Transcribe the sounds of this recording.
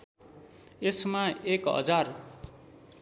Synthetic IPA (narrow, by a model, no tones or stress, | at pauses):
esmaekɦʌ̰d͡zar